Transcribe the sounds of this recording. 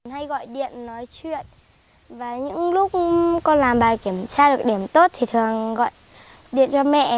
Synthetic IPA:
nha˧jɣɔ̰˧˨jɗḭ˧˨ənːɔ˨˦jt͡ɕwḭ˧˨ən | vaː˨˩ɲɨ̰˧˥ŋlʊ˦˥k͡p̚kɔ˧nlaː˨˩mɓaː˨˩jki˧˩əmt͡ɕaː˧ɗɨ˨˩ək̚ɗi˧˩əmt̪o˦˥t̚t̪ʰi˨˩t̪ʰɨ˨˩əŋɣɔ̰˧˨j | ɗḭ˧˨ənt͡ɕɔ˧mɛ̰˧˨

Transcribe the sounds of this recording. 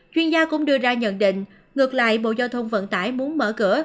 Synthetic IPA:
t͡ɕwi˧ənzaː˧kʊ̰˧˥ŋ͡mɗɨ˧əzaː˧ɲə̰˧˨nɗḭ̈˧˨ŋ̟ | ŋɨ˨˩ək̚la̰ː˧˨jɓo̰˧˨zaː˧wt̪ʰə˧wŋ͡mvə̰˧˨nt̪aː˧˩jmu˨˦ənməː˧˩kɨ˧˩ə

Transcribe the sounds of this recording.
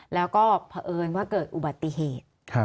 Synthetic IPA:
lɛː˦˥wkɔː˥˩pʰa˧ʔɤː˧nwaː˥˩kɤː˨˩t̪̚ʔu˨˩ba˨˩t̪ːi˨˩˨ɦeː˨˩t̪̚kʰa˦˧

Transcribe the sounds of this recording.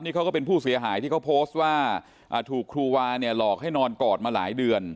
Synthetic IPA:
p̚niː˦˥kʰa˦˥wkɔː˥˩pe˧npʰuː˥˩si˨˩˦ɐɦaː˩˦j̪ʰiː˥˩kʰa˦˥wpʰoː˦˥st̪̚waː˥˩ | ʔaː˨˩t̪ʰuː˨˩kʰːɾuː˧waː˧ni˥˩əlɔː˨˩k̚ha˥˩jnɔː˧nkɔː˨˩t̪̚maː˧laː˩˦jdɯ˧ən

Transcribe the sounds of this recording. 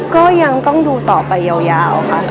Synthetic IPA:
kɔː˥˩ja˧ŋt̪ɔ˥˩ŋduː˧t̪ɔː˨˩pa˧jːaː˧wjaː˧wkʰa˦˥ʔ

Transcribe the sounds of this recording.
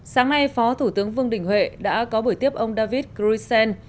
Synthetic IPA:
saː˨˦ŋna˧jfɔ˨˦t̪ʰu˧˩t̪ɨ˨˦əŋvɨ˧əŋɗï˧˩ŋ̟hɦwḛ˧˨ɗa̰ː˧˥kɔ˨˦ɓu˧˩t̪i˦˥əp̚ʔə˧wŋ͡mɗaː˧vi˦˥t̚kɾu˧sɛ˧n

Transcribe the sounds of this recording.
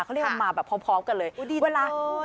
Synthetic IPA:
kʰːmaː˧˩bɛː˨˩pʰɔː˦˥mpʰɔː˦˥m̚ka˧nlɤː˧jweː˧laː˧

